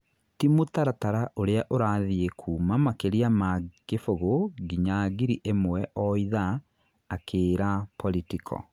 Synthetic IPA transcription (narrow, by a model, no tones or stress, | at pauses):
timotaɾataɾaʔoɾeaʔoɾaðiekʰuːmamakeɾiamaɡefoɣoɡiɲaɣiɾiʔemwɛʔɔiðaː | kʰeːɾapɔlitikʰɔ̰